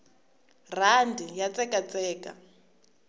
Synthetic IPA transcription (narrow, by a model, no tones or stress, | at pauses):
r̤andʱijat͡sʼɛkat͡sʼɛːka̰